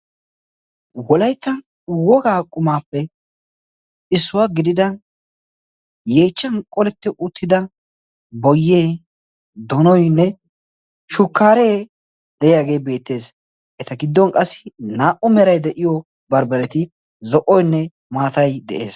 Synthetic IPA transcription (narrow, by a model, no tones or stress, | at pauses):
wɔlɐjt̪ːɐn | wɔɡaːkʼʊmaːpːɛ | ɪsːʊwaɡɪd̪ɪd̪ɐn | jeːt͡ʃːɐnkʼɔlɛt̪ːɪʔʊt̪ʰːɪd̪ɐ | bɔjːeː | d̪ɔnɔjnːɛ | ʃʊkːaːɾeː | d̪̥ɛjjaːɡe̞ːbe̞ːt̪ːe̞ːs | ʔɛt̪ɐɡɪd̪ːɔnkʼɐsːɪ̥naːʔɔmɛɾɐjd̪ɛʔɪjɔ | bɐɾbɐɾɛt̪ɪ | zɔʔɔjnːɛ | maːt̪ɐjd̪ɛ̰ʔe̞ːs